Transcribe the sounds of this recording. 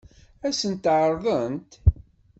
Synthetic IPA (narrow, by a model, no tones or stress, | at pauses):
æsənt̪ːʕəɾˤðˤənt̪